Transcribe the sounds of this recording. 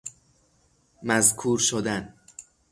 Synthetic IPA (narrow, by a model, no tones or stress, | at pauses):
mæzkʰuːɾʃod̪æn